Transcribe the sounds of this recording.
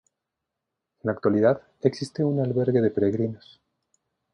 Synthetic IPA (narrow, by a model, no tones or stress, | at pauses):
enlakt̪waliðað | e̞ksist̪eunalβe̞ɾɣe̞ðe̞pe̞ɾeɣɾinos